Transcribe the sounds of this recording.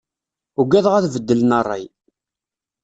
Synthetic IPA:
uɡæðʁæθvəd̪ːələnərˤːɑ̰j

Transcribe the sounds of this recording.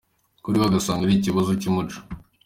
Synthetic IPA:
kuɾiβaɡasaːŋɡaɾiciβazucimut͡ʃo̥

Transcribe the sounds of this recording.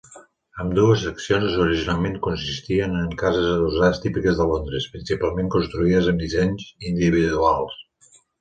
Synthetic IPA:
əmd̪uəsəksionzuɾiʒinalˠmeŋkunsist̪iənəŋkazəzəðuzaðəst̪ipikəzðəlond̪ɾəspɾinsipalˠmẽŋkunst̪ɾuiðəzəmd̪izeɲzind̪iβ̞iðualˠs

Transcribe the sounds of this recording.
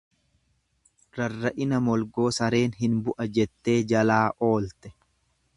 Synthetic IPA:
ɾɐrːɐʔɪnɐmɔlɡo̞ːsɐɾe̞ːnɦɪnbʊʔɐd͡ʒɛt̪ːe̞ːd͡ʒɐlaːʔo̞ːlt̪ɛ̥

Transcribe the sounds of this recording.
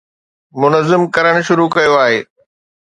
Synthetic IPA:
mʊnəzɪmkɐɾəɽ̃ʊ̆ʃʊɾukɐjoaːɦeː

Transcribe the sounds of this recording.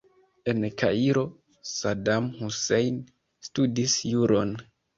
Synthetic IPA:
e̞nkʰa̰iɾo̞ | sadamhusejn | studisjuɾo̞n

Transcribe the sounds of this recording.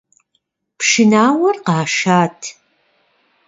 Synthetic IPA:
pʂɨnaːwɐrqɑːʃaːtʰ

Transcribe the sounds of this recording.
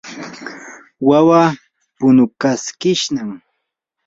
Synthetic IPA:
wawa | pʊnʊkaskɪʃnaŋ

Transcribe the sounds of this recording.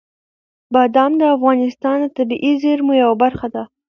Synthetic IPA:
bɑd̪ɑmd̪əafɣɑnɪst̪ɑnd̪ət̪abiʔizeɾmujawabaɾxad̪a

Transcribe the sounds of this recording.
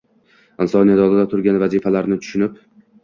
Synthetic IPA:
ɪnsɒnijad̪ɒlˠɪd̪at̪ʰʊɾɡʲanvazifalaɾnɪt̪ʰʊ̥ʃʊnɪp

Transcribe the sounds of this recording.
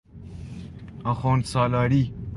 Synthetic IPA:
ɐxoːnsaːlaːɾi

